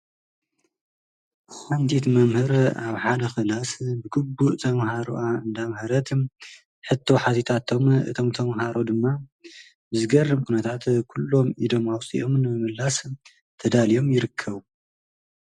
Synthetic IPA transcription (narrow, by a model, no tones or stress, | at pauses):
hant̪ʰit̪mɐmhɨɾaβħad̪ɐxɨlasbɨɡɨbːuʔt̪ʰɐmɦaɾṵʔaɨnd̪amhɐɾɐt̪ | ħɨt̪ʰːo̞ħat̪ʰit̪ʰat̪ʰo̞mɨ̰t̪ʰo̞mt̪ʰɐmɦaɾo̞d̪ɨmːa | bɨzɨɡɐrːɨmkʰunɐt̪ʰat̪kʰulːo̞mid̪o̞mawt͡sʼḭʔo̞mnɨmɨmɨlːas | t̪ʰɐd̪alijo̞mjɪɾɨkʰːɐβu